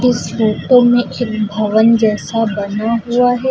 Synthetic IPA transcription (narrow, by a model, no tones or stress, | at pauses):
ɪsɾoːt̪õmẽʔeːkbʱɐʋənd͡ʒɛːsabɐnaɦuaɦɛː